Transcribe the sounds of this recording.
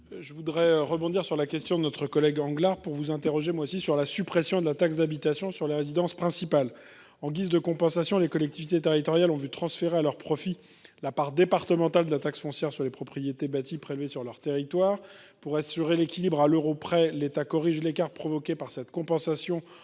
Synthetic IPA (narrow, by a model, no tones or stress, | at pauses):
ʒəvud̪ʁɛʁəbɔ̃d̪iʁsyʁlakʲɛst̪jɔ̃d̪ənɔt̪χəkɔlɛɡɑ̃ɡlaʁpuʁvuzɛ̃t̪eʁɔʒemwaosisyʁlasypχɛsjɔ̃d̪əlat̪aksd̪abit̪asjɔ̃syʁleʁezid̪ɑ̃spχɛ̃sipal | ɑ̃ɡʲizd̪əkɔ̃pɑ̃sasjɔ̃lekɔlɛk̚t̪ivit̪et̪eʁit̪ɔʁjalɔ̃vyt̪χɑ̃sfeʁealœʁpχɔfi | lapaʁd̪epaʁt̪əmɑ̃t̪ald̪əlat̪aksfɔ̃sjɛʁsyʁlepχɔpχijet̪ebat̪ipχelvesyʁlœʁt̪eʁit̪waːʁ | puʁasyʁelekʲilibʁaløʁopχɛlet̪akɔʁiʒlekaʁt̪pχɔvɔkʲepaʁsɛt̪kɔ̃pɑ̃sasjɔ̃